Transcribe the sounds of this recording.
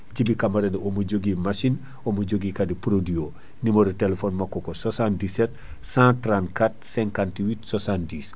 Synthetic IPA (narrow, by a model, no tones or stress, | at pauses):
ɟibikamaɾeniomuɟoɡimaʃin | omɐɟoɡikadipɾodio | nimoɾutelefonmakokososãndiset | sãtɾãntkatsɛŋkantwitsosandis